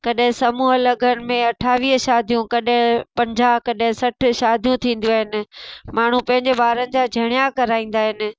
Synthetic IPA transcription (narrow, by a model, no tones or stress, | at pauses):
kɐɗɦɪ̃sɐmuːɦəlɐɡʱənɪ̆mẽɐʈʰaːʋiːɦəʃaːd̪ʱijũkɐɗɦɪ̃pɐ̃ɲd͡ʑakɐɗɦɪ̃sɐʈʰʃaːd̪ʱijũt̪ʰĩːnd̪jũaːɦɪnɪ̆maːɳ̤upɐ̃ɦɪ̃ɲd͡ʑeɓaːɾənɪ̆d͡ʑaːd͡ʑʱɐɽ̃jakɐɾaːĩːn̆d̪aːɦɪnɪ̆